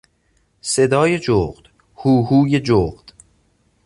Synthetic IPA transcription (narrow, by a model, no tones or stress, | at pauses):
se̞d̪ɒːjed͡ʒoːɣd̪̥ | huːhuːjed͡ʒoːɣd̪̥